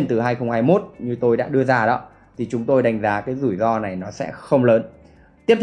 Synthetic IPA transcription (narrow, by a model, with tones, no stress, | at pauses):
nt̪ɨ˨˩ɦaː˧jxə˧wŋ͡mhaː˧jmo˦˥t̚ɲɨ˧t̪o˧jɗa̰ː˧˥ɗɨ˧əzaː˧ɗɔ̰˨˦ | t̪ʰi˨˩t͡ɕʊ˨˦ŋ͡mt̪o˧jɗa˧˩jŋ̟zaː˨˦kaː˨˦jzu˧˩jzɔ˧na˨˩jnɔ˨˦sɛ̰˧˥xə˧wŋ͡mləː˨˦n | t̪i˦˥ət̪